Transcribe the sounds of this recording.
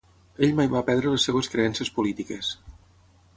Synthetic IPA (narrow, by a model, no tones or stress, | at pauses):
eʎmajβapɛðd̪ɾələsːeβəskɾeɛnsəspulit̪ikəs